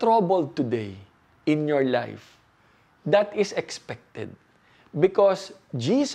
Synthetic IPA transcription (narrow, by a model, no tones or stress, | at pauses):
t̪ɾabəl̚t̪ʊd̪ej | ʔɪ̃njɔɹla̰jf | d̪ɐt̪ɪsɛkspɛk̚t̪ɛ̰d̪̚ | bɪkɔs | d͡ʒiːs